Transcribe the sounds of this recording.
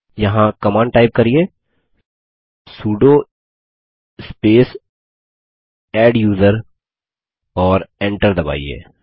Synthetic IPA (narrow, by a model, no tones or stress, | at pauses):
jɐɦãkɐmaːnʈaːɪp̚kɐɾieː | suːɖo | ɪspeːs | ɛːɖjuːzəɾ | ɔːɾẽːɳʈəɾd̪ɐba̰ːiḛː